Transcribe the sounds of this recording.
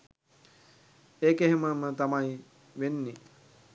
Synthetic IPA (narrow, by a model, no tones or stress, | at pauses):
eːkeɦeməmət̪amai | ʋenːi